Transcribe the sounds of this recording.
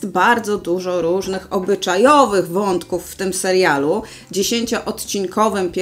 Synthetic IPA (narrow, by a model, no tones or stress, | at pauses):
t̪baɾd̪zɔd̪uʐɔɾuʐnɘxɔbɘt͡ʂajɔvɘɣvɔnt̪kufːt̪ɘmsɛɾjalu | d͡ʑeɕeɲt͡ɕɔʔɔt̪t͡ɕiŋkʰɔvɘmpʲ